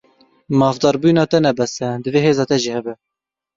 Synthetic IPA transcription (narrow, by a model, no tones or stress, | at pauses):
mɑːfd̪ɑːɾbujnɑːt̪ɛnɛbɛsɛd̪ɨveːɦeːzɑːt̪ɛʒiːhɛbɛ